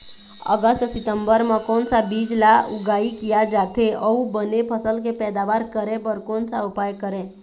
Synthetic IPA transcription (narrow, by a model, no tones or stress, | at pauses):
ə̰ɡəst̪sɪt̪ə̃mbəɾmãkɔːnsabid͡ʒlaʊɡaːikijad͡ʒaːt̪eəubənepʰəsəlkepɛːd̪aʋaɾkəɾẽbəɾkɔːnsaʊpajkəɾẽ